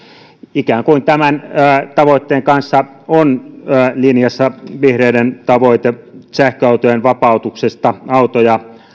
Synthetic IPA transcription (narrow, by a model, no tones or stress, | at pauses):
ikæːŋkuint̪æmænːt̪ɑʋoˑit̪ːeːŋkɑnsːɑ | onːlinjɑsːɑʋihreˑident̪ɑʋoˑit̪esæhkøɑˑut̪ojenʋɑpɑˑut̪uksest̪ɑɑut̪ojɑ